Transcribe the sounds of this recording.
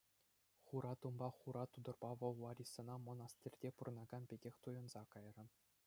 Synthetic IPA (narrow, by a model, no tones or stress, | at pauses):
χuɾʔɑt̪umbɑχuɾɑt̪ud̪ɤ̆rbɑʋɤ̆lˠʋɑɾʲisːɤ̆nɑmŏnɑst̪ʲirʲdʲepurɤ̆nɑɡɑnpʲeɡʲexʲt̪ujɤ̆nz̥ɑkɑjrɤ̆